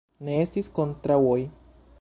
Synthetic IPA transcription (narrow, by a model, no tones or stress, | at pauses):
neest̪iskont̪ɾawoj